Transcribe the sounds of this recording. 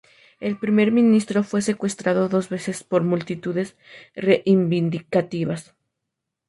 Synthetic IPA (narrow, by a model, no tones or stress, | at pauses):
e̞lpɾime̞ɾmĩnist̪ɾo̞fwe̞se̞kwe̞st̪ɾaðoðo̞zβe̞se̞spo̞ɾmult̪it̪uðe̞s | reʔimbind̪ikat̪iβas